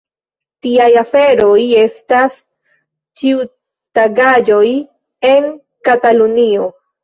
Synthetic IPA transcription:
tiajafe̞ɾo̞je̞stas | t͡ʃiu | taɡad͡ʒo̞j | e̞n | katalunio̞

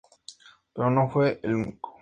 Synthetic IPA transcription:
peɾonofweʔeluniko̥

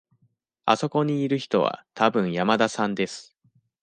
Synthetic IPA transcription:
a̰so̞ko̞ɲ̟iːɾɯ̟çi̥t̪o̞βa̰t̪ʰabɯ̟̃ɰ̃jamad̪asãnd̪e̞sɨ̥

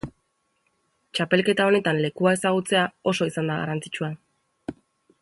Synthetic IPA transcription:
t͡ʃape̞lke̞t̪ao̞ne̞t̪anle̞kuae̞saɣ̞ut͡se̞ao̞so̞isand̪aɣa̰ɾant͡si̥t͡ʃua

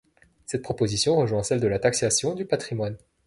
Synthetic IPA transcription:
sɛt̪̚pχɔpozisjɔ̃ʁəʒwɛ̃sɛld̪əlat̪aksasjɔ̃d̪ypat̪χimwan

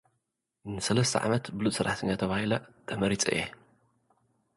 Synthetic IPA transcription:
nɨsɐlɐst̪ʰɐ̰ʕa̰mɐt̪bɨlut̪ʼsɨɾaħt̪ʰɐɲːat̪ʰɐβahilɐt̪ʰʼɐmɐɾit͡sʼḭʔe

